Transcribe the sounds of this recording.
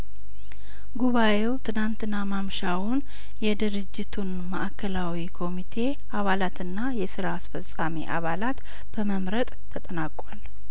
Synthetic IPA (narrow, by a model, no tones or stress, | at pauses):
ɡuβaʔe̞wt̪ʰɨnant̪ʰɨnːamamʃawʊn | jɛd̪ɨɾɨd͡ʒːɪt̪ʰun | məʔakʰːəlawikʰo̞mit̪ʰe̞ | aβalat̪ʰɨnːajɛsɨɾaːsfəsʼamḭʔa̰βalat̪ | b̥əməmɾət̪ʼʰːət̪ʼənakʼal